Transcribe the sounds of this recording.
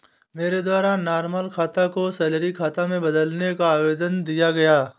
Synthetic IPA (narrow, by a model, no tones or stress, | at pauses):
meːɾed̪waːɾaːnaːɾməlkʰaːt̪akosɛːlɾikʰaːt̪amẽbɐd̪əlnekaːʋeːd̪ənd̪ijaɡɐjaː